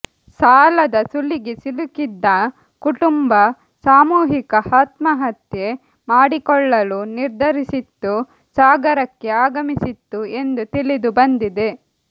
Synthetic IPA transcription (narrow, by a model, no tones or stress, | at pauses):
saːlɐd̪ɐsulːiɡe̞silukid̪ːɐ | kuʈumbɐ | saːmuːɦikɐhaːt̪mɐɦɐt̪je̞ | maːɽikɔɭːɐluniɾd̪ʱɐɾisit̪ːu | saːɡɐɾɐkːe̞aːɡɐmisit̪ːue̞nd̪ut̪ilid̪ubɐnd̪id̪e̞